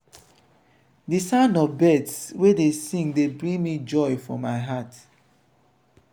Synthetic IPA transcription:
disãnɔbɛdswedesĩŋdebɹĩŋmid͡ʒɔjfɹɔ̃mːaɪɦat

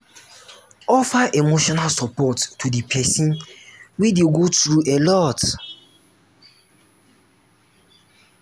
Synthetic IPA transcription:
ɔfaʔemoʃɔnalsɔpɔtːudipʰɛsĩnwideɡotɾuʔelɔt

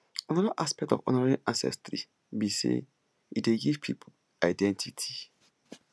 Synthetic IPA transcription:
ãnɔdaʔaspɛk̚tɔvɔ̰nɔɹɹĩãnsɛ̰stɾi | bisḛ | ideɡiv̥pʰipʰul | aɪdɛ̃ntʰitʰi̥

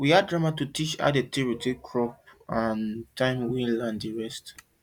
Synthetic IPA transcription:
wiadɹamatutit͡ʃa̰detʰiɹitikʰɹɔpãntʰãɪ̃mwĩlãndiɹɛst

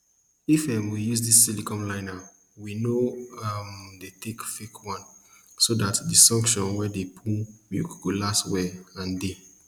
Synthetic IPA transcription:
ifɛmwijuzdisːilikɔ̃mlãɪna | winoamdetʰekfekʰwɔ̃nsodatdisɔ̃ŋkʃɔ̃nwɛdepʰũmjṵkkolaswɛãnde

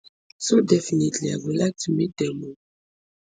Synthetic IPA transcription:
sodɛfinitliavulak̚tumidɛmo

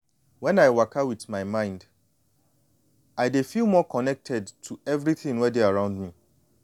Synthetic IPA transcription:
wɛ̃naɪwakʰawiθmãɪmãɪ̃nd | aɪdefilˠmɔkʰɔnɛk̚tʰɛdtʰːuɛvɹiθɪ̃ŋwɛdeaɹãʊ̃ndmĩ

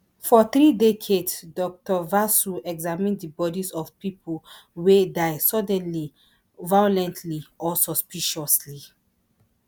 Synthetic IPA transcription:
fɔθɹidekʰedsdɔk̚tɔvasuɛɡzamĩndəbɔdisɔvpipʰo | wedaɪsɔdɛ̃nli | vajɔlɛ̃ntʰliʔɔsɔspiʃɔsli

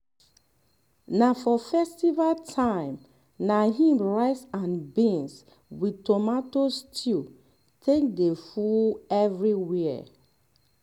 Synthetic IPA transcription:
nafɔfɛstivaltʰãɪ̃m | naɦĩmɹaɪsãnbĩns | witomatostʰi | tʰek̚defuɛvɹiwiɛ̰

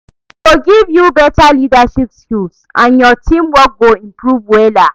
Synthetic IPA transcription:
toɡivjubɛtalidaʃipskulsʔãnjɔtʰĩmwɔt̚ɡoĩmpɹuvwɛla

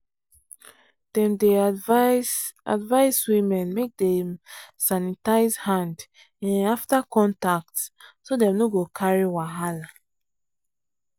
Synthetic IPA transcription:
d̥ɛ̃mde | a̰dvaɪswimɛ̃nmek̚dɛmsanitaɪzhãnd | ɛ̃aftakʰɔ̃ntak̚tsodɛ̃mnoɡokʰaɹiwaɦala

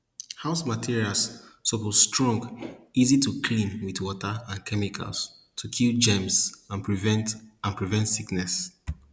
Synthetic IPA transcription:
haʊsmatʰiɹialssɔpozstɹɔ̃ŋɡizitʰukʰlĩnwiθwɔtəãnkʰɛmikʰa̰ls | tʰukʰild͡ʒɛ̃msãnpʰɹivɛ̃ntãnpɹivɛ̃ntsiknɛs

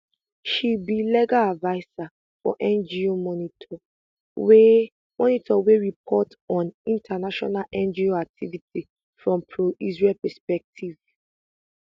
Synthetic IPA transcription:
ʃibilɛɡaadvaɪsa | fɔ̰ʔɛ̃nd͡ʒiomɔnitʰɔ | we | mɔnitʰɔweɹip̚ʰɔt | ɔ̃nĩntʰanaʃɔ̰nalʔɛ̃nd͡ʒioak̚tʰiviti | fɹɔ̃mpʰɹoʔisɹelpɛspɛk̚tʰiv̥

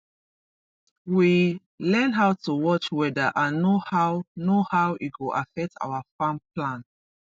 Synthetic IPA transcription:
wi | lɛ̃nɦaʊtuwɔt͡ʃwɛdaʔãnːohawnohawʔit̚ɡoʔafɛk̚tʰa̰wafãmplãn

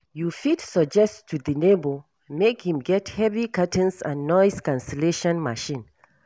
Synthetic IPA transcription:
jufitsəd͡ʒɛsttʰuðənebə | mekhĩmɡɛthɛvikʰatə̃nsã̰nːɔɪskãnsɛleʃɔ̃nmaʃĩn

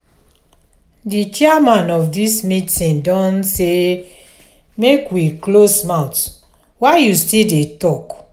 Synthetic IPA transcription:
dit͡ʃiamãnɔfdismĩtĩndɔ̃nse | mekwiklosmãʊt | waɪjustildetɔk

